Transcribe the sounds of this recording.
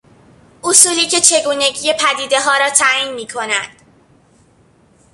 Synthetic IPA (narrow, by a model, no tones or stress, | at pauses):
ʔosuːliːce̞t͡ʃʰe̞ɡuːne̞ɟiːje̞pʰæd̪iːd̪e̞ɦɒːɾɒːt̪ʰæːjiːnmiːkʰo̞næd̪̥